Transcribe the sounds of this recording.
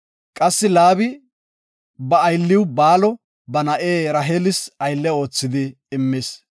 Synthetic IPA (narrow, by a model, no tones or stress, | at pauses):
kʼɐsːɪlaːbɪ | bɐːjlːɪwbaːlɔ | bɐnɐʔeːɾɐɦelɪsɐjlːɛo̞ːt͡sːɪd̪ɪː | mːɪs